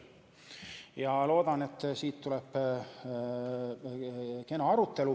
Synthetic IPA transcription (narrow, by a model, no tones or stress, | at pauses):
jɑlo̞ːd̪̥ɑne̞t̪ːsiːt̪ːulɛp | ke̞nɑɑɾut̪ːe̞lu